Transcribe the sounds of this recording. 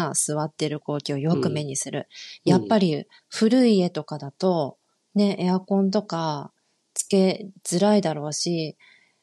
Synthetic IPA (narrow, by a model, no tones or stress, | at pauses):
asɨβat̪ːe̞ɾɯ̟ko̞ːkʲio̞jo̞kɯ̟me̞ɲ̟isɨɾɯ̟̰japːaɾʲi | ɸɯ̟ɾɯ̟ie̞t̪o̞kad̪at̪o̞ | ne̞ʔeakõ̞nt̪̬o̞ka | t͡sɨ̥ke̞z̥ɨɾaid̪aɾo̞ːɕi